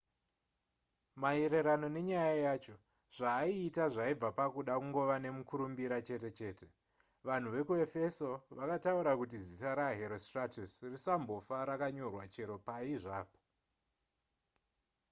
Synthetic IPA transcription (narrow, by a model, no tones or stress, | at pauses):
maeɾe̞ɾano̞ne̞ɲajajaːt͡ʃo̞ | ʐ̥aːiːtaʐaib͡vapakuɗakuŋɡo̞ʋane̞mukuɾumbiɾat͡ʃe̞te̞t͡ʃe̞ːte̞ | ʋan̤uʋe̞kue̞fe̞so̞ʋakatauɾakut̬izitaɾaɦe̞ɾostratusrisambo̞faɾakaɲo̞rwat͡ʃe̞ɾo̞paiʐaːpo̥